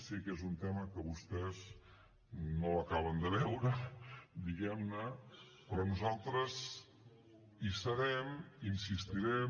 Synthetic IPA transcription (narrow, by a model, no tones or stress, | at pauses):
sikezunt̪ɛməkəβust̪ɛz | noəkaβ̞ənd̪əβɛwɾəd̪iɣɛmnə | pɾɔnuzalˠt̪ɾəz | isəɾɛminsist̪iɾɛ